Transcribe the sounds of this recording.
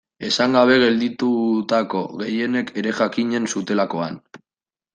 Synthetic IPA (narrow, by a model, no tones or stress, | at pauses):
e̞saŋɡaβ̞e̞ɣe̞ld̪it̪ut̪ako̞ɣe̞je̞ne̞ke̞ɾe̞ʝakiɲe̞nsut̪e̞lako̞a̰n